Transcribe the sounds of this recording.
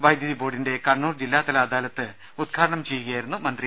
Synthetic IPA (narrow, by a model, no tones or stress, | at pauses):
ʋɐjd̪jɐðiboːɖinde̞kɐɳːuːrd͡ʑilːaːt̪ɐlaːd̪aːlɐt̪ːɨ | ud̪̚ɡʰʱaːɽɐɳɐmt͡ɕe̞jːuɣɐjaːjiɾunːumɐnd̪ri